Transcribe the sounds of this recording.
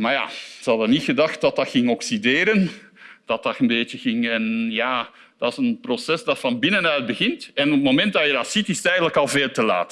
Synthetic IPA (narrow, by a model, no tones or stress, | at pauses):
maɹja̰ːz̥əhɑdənitxədɑxt̚dɑtɑtxɪŋɔksideːɾən | d̥ɑtɑtənbeːtəɣɪŋɛnjaː | d̥ɑsənprosɛsdɑtfɑnbɪnənœɥd̚bəɣɪntɛnɔp̚momɛnt̚dɑjədɑtsitɪsətɛjəndələkɑlˠveːlˠtəla̰ːt